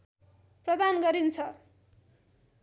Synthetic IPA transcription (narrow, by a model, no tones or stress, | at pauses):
prʌd̪anɡʌɾint͡sʰʌ